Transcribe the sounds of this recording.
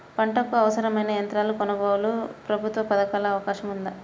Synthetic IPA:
pɐɳʈɐkːuɐʋɐsɐɾɐmɐjnɐjɐnt̪ɾaːlukɔnɐbaːwulupɾɐbʱut̪ʋɐpɐd̪ɐkaːlɐːʋɐkaːʃɐmund̪ɐ

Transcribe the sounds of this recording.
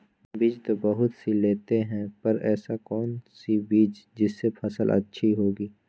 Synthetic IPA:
biːd͡ʒt̪obɐɦʊt̪sileːt̪eɦɛ̃pɐɾɛːsakɔːnsibiːd͡ʒd͡ʒɪsːepʰɐsəlʔɐ̰tːʃʰiɦoːɡiː

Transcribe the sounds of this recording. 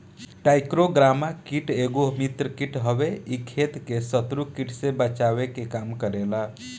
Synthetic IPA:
ʈajkɾoɡɾamakiʈeɡomit̪ɾəkiʈɦəbeikʰet̪kesət̪ɾukiʈsebət͡ʃawekekamkəɾela

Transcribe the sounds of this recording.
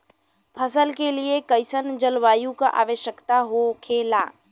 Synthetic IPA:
pʰəsəlkeliekəɪsənd͡ʒəlʋaːjũkaʔa̰ːʋəʃjəkt̪aɦokʰeːlaː

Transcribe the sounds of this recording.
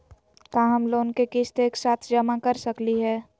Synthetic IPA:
kaːɦɐmloːnkekɪst̪eːksaːt̪ʰd͡ʒɐmakɐɾsɐkliɦɛː

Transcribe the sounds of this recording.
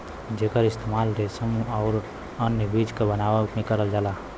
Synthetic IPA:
d͡ʒekəɾist̪ʰemalɾesəmuaʊɾ | ənjəbid͡ʒkebənawəmẽkəɾəld͡ʒala

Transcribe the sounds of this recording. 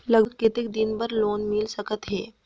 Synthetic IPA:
ləɡket̪ik̚d̪inbəɾloːnmilsəkət̪ɦe

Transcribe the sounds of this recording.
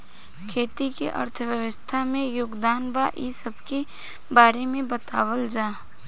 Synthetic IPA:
kʰeːt̪ikḭʔə̰ɾt̪ʰəʋjəʋəst̪ʰamẽjʊɡd̪aːnbaʔisəbke | baːɾemẽbɐt̪aːwəld͡ʒaː

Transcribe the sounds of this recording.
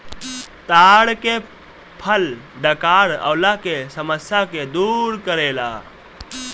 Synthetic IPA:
t̪aɽke | pʰəlɖəkaːɽə̰ʊlakesəməsjaked̪uɾkəɾela̰

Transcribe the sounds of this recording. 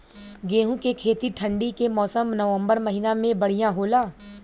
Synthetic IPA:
ɡeːɦũkekʰeːt̪iʈʰə̃ɳɖikemɔːsəmnɐʋə̃mbəɾmɐɦinamẽbɐɽ̤ijãɦoːlaː

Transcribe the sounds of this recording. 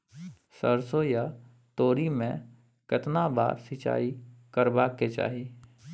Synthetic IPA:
səɾsoja | t̪oːɾimẽ | kɪt̪naba̰ːɾsɪt͡ʃa̰ːikəɾbaːket͡ʃa̰ːɦi

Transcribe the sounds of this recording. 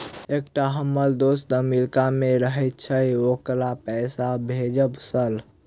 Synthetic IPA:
ekʈaɦəmːəld̪osd̪əmilkameɾəɦət̪̚t͡ʃʰəjokɾapɛsabʱed͡ʒəbsəl

